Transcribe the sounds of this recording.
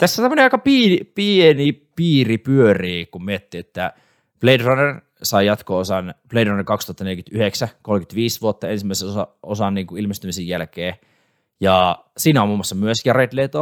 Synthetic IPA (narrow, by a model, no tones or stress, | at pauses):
t̪æsːot̪æmːəneɑikɑpiːnipienipiːripyøriːkummiet̪ːiet̪ːæ | pleidrɑner | sɑijɑt̪koosɑnpleidrɑnerkɑkst̪uhɑt̪ːɑnelʲkyt̪yheksækolkyt̪ʋiːsʋuot̪ːɑensimːæˑiseosɑʔosɑnniːŋkuilmest̪ymisijælkeː | jɑ | siːnæomuːmːwɑsːɑmyøsjɑret̪leit̪o